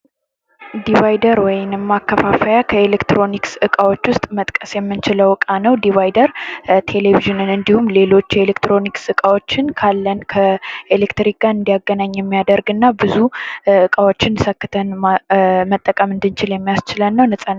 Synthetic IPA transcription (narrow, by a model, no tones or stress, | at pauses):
d̪ivajd̪əɾwɔjnmːakːəfafəjakʰəelekt̪ɾo̞niksɨkʼawo̞t͡ʃːwʊst̪ʼmət̪ʼkʼəsjɛmːɨnt͡ʃɪləwɨkʼanəwd̪iβajd̪əɾt̪ʰe̞leβiʒɨnɨnɨnd̪ihumle̞lo̞t͡ʃːelekt̪ɾo̞niksɨkʼawo̞t͡ʃːɪnkʰalːənkʰəelekt̪ɾik̚ɡaɨnd̪ijaɡːənaɲːjɛmːijad̪əɾɡɨnːabɨzuɨkʼawo̞t͡ʃːɪnsəkːɨt̪ʰən | mət̪ʼːəkʼəmɨnd̪ɨnt͡ʃɪljɛmːijast͡ʃɪlənːəwnɨsʼanː